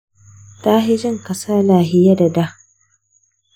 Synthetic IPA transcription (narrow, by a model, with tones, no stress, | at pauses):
taː˦ɦɪ˦d͡ʒɪ˦˨ŋkɐ˨saː˦laː˨ɦɪ˦ja˦da˨da˦